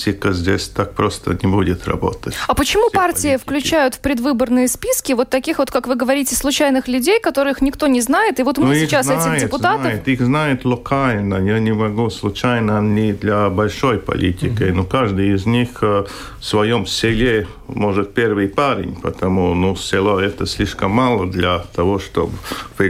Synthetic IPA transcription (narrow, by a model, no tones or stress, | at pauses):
tʲɪkəzʲdʲesʲt̪ak̚pɾost̪ə̰nʲɪbudʲɪt̪rɐ̰bo̰t̪ətʲɐpət͡ɕɪmupartʲɪjɪfklʲʉt͡ɕæjʊt̪fpɾʲɪd̪vɨbərnɨjəspʲiskʲɪvo̞t̪ːɐkʲixvo̞t̪kakvɨɡəvɐɾʲitʲɪslˠʊt͡ɕæjnɨxlʲʉdʲejkɐt̪o̞ɾɨɨxnʲɪkt̪o̞nʲɪznajɪt̪ɨvo̞t̪mɨsʲit͡ɕasɛtʲɪxjdɪɪpʊt̪at̪əjɪt̪ixznajɪt̪lˠokʰalʲnəjanʲɪmɐɡuslˠʊt͡ɕajnənʲɪd̪lʲɐbɐlʲʂo̞jpɐ̰lʲḭtʲɪkəjnokaʐd̪ɨjɪzʲnʲix | fsvɐjo̞msʲɪlʲe | mo̞ʐɨt̪̚pʲervɨjpaɾʲɪ̰nʲpə̰t̪ɐmunusʲɪlˠoɛt̪əsʲlʲiʂkəmːalˠəd̪lʲɐt̪ɐvoʂt̪o̰bpɪ